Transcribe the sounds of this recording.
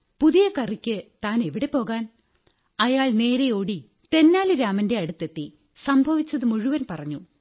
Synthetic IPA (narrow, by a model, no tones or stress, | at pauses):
puðijɐkɐrikʲːɨt̪aːne̞ʋiɽe̞po̞ːɣaːn | ɐjaːɭne̞ːɾejoːɽi | t̪e̞nːaːlɨɾaːmɐnde̞ɐɽut̪ːet̪ːi | sɐmbʱɐʋit͡ɕːɐðɨmuɻuʋɐnpɐrɐɲːu